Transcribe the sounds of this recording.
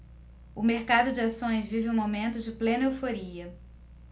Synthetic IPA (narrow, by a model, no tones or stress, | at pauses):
ʊmeɾkad̪ʊd͡ʒɪasõj̃zvivɪũmomẽnt̪ʊd͡ʒɪplẽnewfoɾiɐ